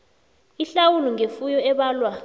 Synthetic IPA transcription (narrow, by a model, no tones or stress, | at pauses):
iɬawuluŋefujɔɛɓaːlwa